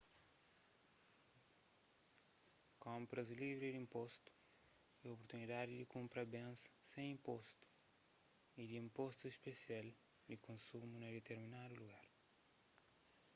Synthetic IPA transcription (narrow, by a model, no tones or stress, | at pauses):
kõmpɾɐzlivɾid̪ĩmpɔst̪u̥ | iopoɾt̪unid̪ad̪ɪd̪ɪkũmpɾɐbẽnsɐ̥sẽj̃ĩmpost̪u̥ | id̪iĩmpost̪uespesial | d̪ɪkʰõnsumuned̪et̪eɾminad̪uluɣaɾ